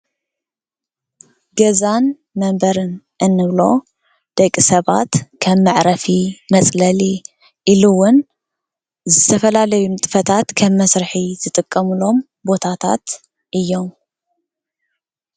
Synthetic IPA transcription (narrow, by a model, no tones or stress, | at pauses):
ɡɐzan | mɐmbɐɾɨn | ʔɨnːɨβlo̞ | d̪̥ɐkʼːisɐβa̰t̪kʰɐmːɨʕɾɐfimɐt͡sʼlɐli | ʔiluwʊn | zɨt̪ʰɐfɐlalɐjunt̪ʼɨ̥fɐt̪ʰat̪kʰɐmːɐsɾɨħizɨt̪ʼɨkʼːɐmɨlo̞m | bo̞t̪ʰat̪ʰa̰t̪ | ʔɨjːo̞m